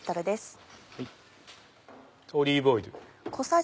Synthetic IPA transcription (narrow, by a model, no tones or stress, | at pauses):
t̪ːaɾɯd̪esɨ̥h | t̪ʰoːɾʲiːboid̪ɯkʰo̞sa